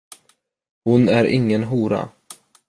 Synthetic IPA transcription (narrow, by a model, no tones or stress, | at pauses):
hʊnæɾɪŋːənɦuːɾa̰